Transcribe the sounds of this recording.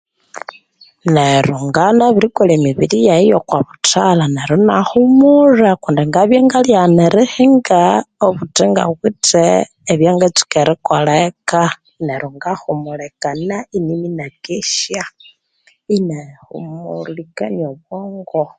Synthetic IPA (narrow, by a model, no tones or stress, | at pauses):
neɾuŋɡanaβilikolemiβilijaijokwaβutalaneɾunaxumurakundiŋɡaβjeŋɡaljaneɾixiŋɡaoβuteŋɡa̰ɣuteː | βjaŋɡat͡si̥keɾikoleka | neɾuŋɡaxumulekanainiminakeʃja | inexṵmuɾlikanioβwoːŋɡo